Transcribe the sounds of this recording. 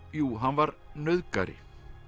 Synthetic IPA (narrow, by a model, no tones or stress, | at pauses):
juːɦanvaɾnœðka̰ɾɪ̰